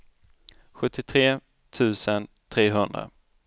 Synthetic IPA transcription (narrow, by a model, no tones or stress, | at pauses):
ɧɵt̪ʰːɪt̪ʰɾeː | t̪ʰʉ̟ːsən | t̪ʰɾeːɦɵnd̪ɾa̰